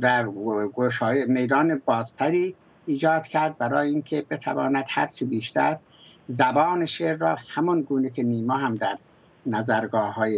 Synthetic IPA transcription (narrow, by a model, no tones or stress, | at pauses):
væɡoʃɑːjemejd̪ɒːnebɒːz̥t̪ʰæɾiː | iːd͡ʒɒːd̪̥kʲʰæɾd̪̚bæɾɒːjeinkʰebet̪ʰævɑːnæd̪hæ̰ɾt͡ʃʰibiːʃt̪ʰæɾ | zæbɒːneʃeɾːɒːhæmɒnɡuːnekʰeniːmɒːɦæmd̪æɾ | næzæɾɡɒːhɒːje